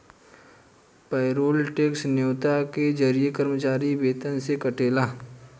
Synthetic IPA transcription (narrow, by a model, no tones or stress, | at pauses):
pɛɪɾoːlʈeːksnjoːt̪aked͡ʒəɾijekəɾmət͡ʃaːɾibeːt̪ənsekɐʈeːlaː